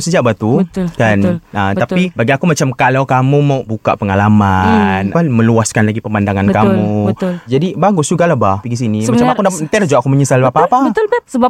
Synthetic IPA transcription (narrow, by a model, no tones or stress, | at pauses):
səd͡ʒaʔbat̪ukanət̪apibaɡiakumat͡ʃamkalawkamũmawʔbuka̰ʔpəŋalamananmə̃luaskanlaɡipəmandaŋankamud͡ʒadibaɡʊsd͡ʒuɡalabahpiɡis̬inimmat͡ʃamakundant̪adad͡ʒuaʔakuməɲəsalbapaːpat̪səa